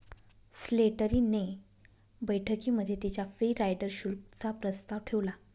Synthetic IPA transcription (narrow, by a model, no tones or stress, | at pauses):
sleʈəɾiːne | bəjʈʰəkiːməd̪ʱːjet̪it͡ɕjafɾiːɾajɖəɾɕulkt͡sapɾəst̪aʋʈʰeʋla